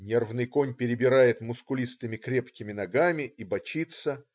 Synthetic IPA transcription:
nʲe̞rvnɨjko̞nʲpʲɪɾʲɪbʲɪɾajɪt̪mʊskʊlʲist̪ɨmʲɪkɾʲe̞pkʲɪmʲɪnɐɡamʲɪibɐt͡ɕit̪sə

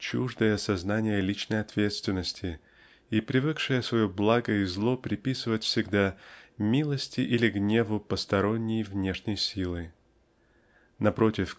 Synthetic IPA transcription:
t͡ɕuʐd̪əjəsɐznanʲɪjəlʲit͡ɕnəjɐt̪vʲe̞t̪st̪vʲɪnːəsʲtʲɪ | ipɾʲɪvɨkʂɨjəsvɐjoblˠaɡəizlˠo̞pɾʲɪpʲisɨvətʲfsʲɪɡd̪amʲilˠəsʲtʲɪʔilʲɪɡnʲe̞vʊpəst̪ɐɾo̞nʲːɪjvnʲe̞ʂnʲəjsʲilˠɨ | nɐpɾo̞tʲɪf

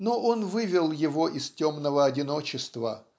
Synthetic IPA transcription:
noʔonvɨvʲɪlˠjɪvo̞ʔɪstʲo̞mnəvəɐdʲɪno̞t͡ɕɪst̪və̰

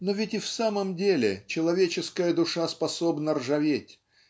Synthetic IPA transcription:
novʲɪtʲɪfsaməmdʲelʲɪ̰t͡ɕɪlˠɐvʲet͡ɕɪskəjəd̪ʊʂaspɐso̞bnərʐɐvʲetʲ

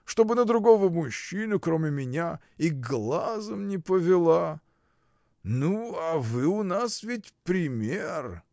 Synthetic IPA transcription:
ʂt̪o̞bɨnəd̪ɾʊɡo̞vəmʊɕːinʊkɾomʲɪmʲɪnʲa | iɡlˠazəmnʲɪpəvʲɪlˠa | nuavɨʊnasvʲɪtʲpɾʲɪmʲer

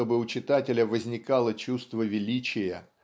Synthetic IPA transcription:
obɨʊt͡ɕɪt̪atʲɪlʲəvəzʲnʲɪkalˠət͡ɕust̪vəvʲɪlʲit͡ɕɪjə

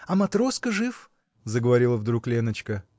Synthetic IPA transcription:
ɐmɐt̪ɾo̞skəʐɨf | zəɡəvɐɾʲilˠəvd̪ɾuklʲenət͡ɕkə

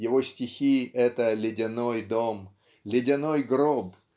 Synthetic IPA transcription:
jɪvosʲtʲɪxʲiʔɛt̪əlʲɪdʲɪno̞jd̪om | lʲɪdʲɪnojɡɾob

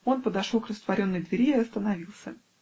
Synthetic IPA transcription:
o̞npəd̪ɐʂolˠkrəst̪vɐɾʲo̞nːəjd̪vʲɪɾʲeɪɐst̪ənɐvʲilˠsʲə

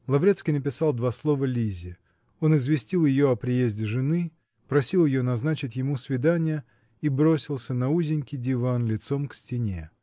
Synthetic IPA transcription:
lˠɐvɾʲet̪skʲijnəpʲɪsalˠd̪vaslˠo̞vəlʲizʲɪ | o̞nɨzvʲɪsʲtʲilˠjɪjoɐpɾʲɪjezʲdʲɪʐɨnɨ | pɾɐsʲilˠjɪjonɐznat͡ɕɪtʲjɪmusvʲɪd̪anʲɪjə | ibɾo̞sʲɪlˠsʲənɐuzʲɪnʲkʲɪjdʲɪvanlʲɪt̪so̞mksʲtʲɪnʲe̞̰

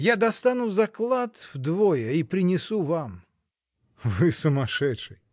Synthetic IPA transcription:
jad̪ɐst̪anuzɐklˠat̪vd̪vojəipɾʲɪnʲɪsuvam | vɨsʊmɐʂɛtʂɨj

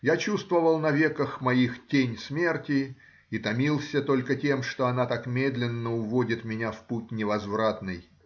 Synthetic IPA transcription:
jat͡ɕust̪vəvəlˠnɐvʲekəxmɐixtʲenʲsmʲe̞rtʲɪ | it̪ɐmʲilˠsʲət̪o̞lʲkətʲe̞mʂt̪oɐnat̪akmʲed̪lʲɪnːəʊvodʲɪt̪mʲɪnʲafput̚ʲnʲɪvɐzvɾat̪nɨj

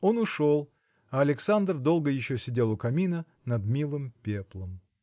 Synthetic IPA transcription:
o̞nʊʂolˠ | ɐɐlʲɪksand̪rd̪o̞lˠɡəjɪɕːosʲɪdʲe̞lˠʊkɐmʲinə | nɐd̪mʲilˠɨmpʲeplˠəm

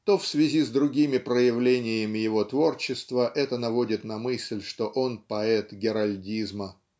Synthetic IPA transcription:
t̪o̞fsvʲɪzʲizd̪ɾʊɡʲimʲɪpɾəjɪvlʲenʲɪjɪmʲɪjɪvo̞t̪vo̞rt͡ɕɪst̪vəʔɛt̪ənɐvo̞dʲɪt̪nɐmɨsʲlʲʂt̪o̞ʔonpɐɛt̪ɡʲɪɾɐlʲdʲizmə

